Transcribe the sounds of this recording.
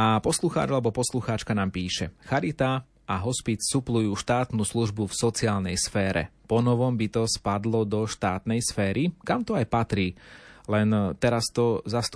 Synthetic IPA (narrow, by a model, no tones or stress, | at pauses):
apɔsluxa̰ːd͡ʒalɛbɔpɔsluxaːt͡ʃkanaːmpiːʃɛxaɾit̪a | aɦɔspit͡ssuplujuːʃt̪aːt̪nuːsluʒbufsɔt͡siaːlnɛjsfɛːɾɛ̰pɔnɔʋɔmbit̪ɔspad̪lɔd̪ɔʃt̪aːt̪nɛjsfɛːɾikamt̪ɔajpat̪ɾiːlɛnt̪ɛɾast̪ɔzast̪